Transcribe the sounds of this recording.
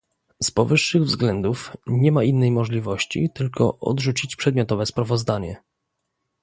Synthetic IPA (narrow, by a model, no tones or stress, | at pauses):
spɔvɘʂːɘɣvzɡlɛnd̪ufɲɛmainːɛjmɔʐlʲivɔɕt͡ɕḭt̪ɘlkɔ̰ʔɔ̰d̪ʐut͡ɕit͡ɕpʂɛd̪̚mʲjɔt̪ɔvɛspɾavɔzd̪aɲɛ